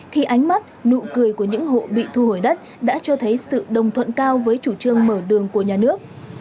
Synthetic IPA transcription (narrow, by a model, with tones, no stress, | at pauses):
xʰi˨˧˩ʔa˨˦jŋ̟ma˦˥t̚nṵ˧˨kɨ˨˩əjku˧˩əɲɨ̰˧˥ŋɦo̰˧˨ɓḭ˧˨t̪ʰu˧ho˧˩jɗə˦˥t̚ | ɗa̰ː˧˥t͡ɕɔ˧t̪ʰə˨˦jsɨ̰˧˨ɗə˨˩wŋ͡mt̪ʰwə̰˧˨nkaː˧wvəː˨˦jt͡ɕu˧˩t͡ɕɨ˧əŋməː˧˩ɗɨ˨˩əŋku˧˩əɲaː˨˩nɨ˦˥ək̚